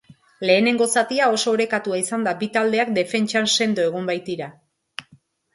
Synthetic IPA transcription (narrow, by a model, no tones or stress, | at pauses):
le̞ːne̞ŋɡo̞sat̪iao̞so̞ːɾe̞kat̪uaisand̪abit̪ald̪e̞akd̪e̞fe̞nt͡ʃanse̞nd̪oe̞ɣ̞umbajt̪iɾa